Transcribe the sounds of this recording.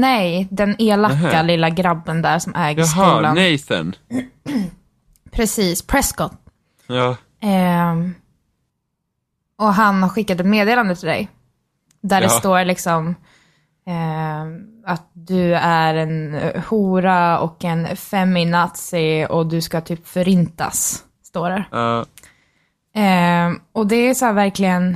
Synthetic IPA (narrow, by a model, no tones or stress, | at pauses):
nɛjd̪ɛneːlakːalɪlːaɡɾabːənd̪æːɾʂɔmʔɛːɡəskuːlanɛjsɛ̰n | pʰɾɛsiːspʰɾɛskɔt̪ː | ɔɦanhaɾɧɪkːat̪ɛt̪meːd̪eːland̪ət̪ʰɪld̪ɛ̰j | d̪æɖɛst̪oːɾlɪksɔm | at̪̚d̪ɵæɾɛnhuːɾaɔ̰kɛnfɛmːɪnat̪sɪɔd̪ɵskat̪ʰyːpfœɾɪnt̪a̰sː | t̪oːɾɛ | ɔd̪ɛæsʊæːɾvæɾklɪɡən